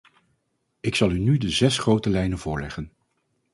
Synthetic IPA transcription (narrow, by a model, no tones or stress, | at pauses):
ɪksɑlˠynydəzɛsχrowtəlɛjnəv̥ʊːɹlɛχən